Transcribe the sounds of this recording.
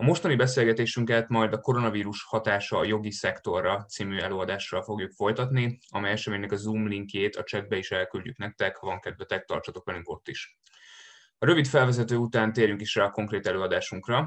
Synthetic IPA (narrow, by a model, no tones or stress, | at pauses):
ɒmo̞ʃt̪ɒnibɛseːlɡɛt̪eːʃyŋkɛt̪mɒjd̪ɒko̞ɾo̞nɒviːɾuʃhɒt̪aːʃɒːjo̞ɡisɛkt̪o̞rːɒt̪siːmyɛløːɒd̪aːʃːɒlfo̞ɡjukfo̞jt̪ɒt̪niɒ̰mɛjɛʃɛmeːɲnɛkɒzuːmliŋkjeːt̪ʰɒt͡ʃɛɡ̪̚bɛiʃɛlkylɟyknɛk̚t̪ɛkhɒvɒŋkɛd̪vɛt̪ɛk̚t̪ɒ̰rt͡ʃ̪ɒt̪o̞kɛlyŋko̞t̪ːiʃ | ɒɾø̞vit̪fɛlvɛzɛt̪øːut̪aːnt̪eːɾjyŋkiʃraːɒko̞ŋkreːt̪ɛløːɒd̪aːʃuŋkrɒ